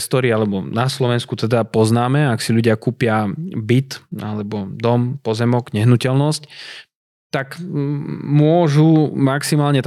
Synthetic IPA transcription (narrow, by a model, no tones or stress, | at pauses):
st̪ɔɾialɛbɔnaslɔʋɛnskut̪ɛd̪apɔznaːmɛaksiʎuɟɪakuːpɪabit̪a̰lɛbɔd̪ɔmpɔzɛmɔɡɲɛɦnucɛlnɔsc | t̪ak | mʊɔʒumaksimaːlɲɛt̪